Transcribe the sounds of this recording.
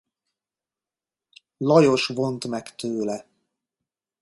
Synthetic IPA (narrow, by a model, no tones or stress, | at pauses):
lɒjo̞ʃvo̞nt̪mɛkt̪øːlɛ